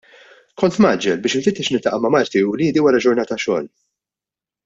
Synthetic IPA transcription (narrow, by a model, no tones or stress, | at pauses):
kʰɔnt̪mɐːd͡ʒɛlbɪːʃɪft̪ɪt̪ːɪʃnɪt̪ːɐʔɐmːɐmɐɾt̪iuwlɪːd̪iwɐɾɐd͡ʒʊɾnɐːt̪ɐʃɔːl